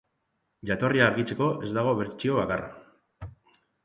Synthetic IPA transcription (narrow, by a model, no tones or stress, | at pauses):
ʝat̪o̞riaːɾɣit͡se̞ko̞ʔe̞zd̪aɣ̞o̞βe̞ɾt͡ʃio̞β̞akara̰